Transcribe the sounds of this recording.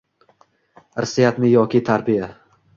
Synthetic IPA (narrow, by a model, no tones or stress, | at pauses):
ɾsijat̪nɪjɒkʲɪt̪ʰaɾbija